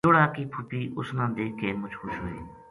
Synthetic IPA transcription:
oːɽaːkiːpʰʊpiːʔʊsnãːd̪eːkeːmʊt͡ʃxʰʊʃɦo̰ːḛː

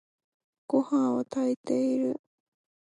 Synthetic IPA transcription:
kohãwat̪ʰait̪eiɾɯ

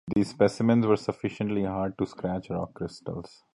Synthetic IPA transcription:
d̪iːzspɛsɪmə̃nzʋəɾsəfɪʃə̃ɳʈliɦaːɾɖ̚ʈuskɾæt͡ʃɾɔːkːɾɪsʈə̰ls

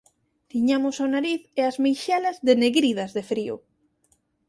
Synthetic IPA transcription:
t̪iɲamʊsonaɾiθeazmejʃɛlazðeneɣɾið̞ɐzðefɾio̰

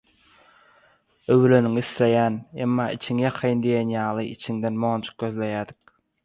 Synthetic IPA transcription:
øwløniŋislejænemːɑːḭt͡ʃʰiŋjɑqʰɑjnd̪ijenjɑːlˠɯʔit͡ʃʰiŋd̪enmont͡ʃʰu̥q̚ɡʲøzlejæːd̪i̥k

